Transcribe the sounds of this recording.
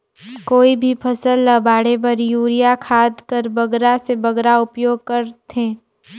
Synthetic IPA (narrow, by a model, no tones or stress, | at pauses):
koːibʱipʰɐsəlːəbaːɽepɐɾjuːɾijakʰaːd̪kəɾbɐɡɾasebɐɡɾaʊpjoːɡ̚kɐɾt̪ʰẽː